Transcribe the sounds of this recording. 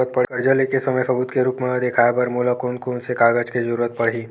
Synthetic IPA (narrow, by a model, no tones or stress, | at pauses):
ət̪̚pɐɽkəɾd͡ʒəlekesɐməjsɐbuːd̪keɾuːpmẽd̪ekʰaːjepɐɾmuːlakoːnkoːnsekaːɡət͡ʃkizəɾuːɾət̪̚pɐɽ̤ɦiː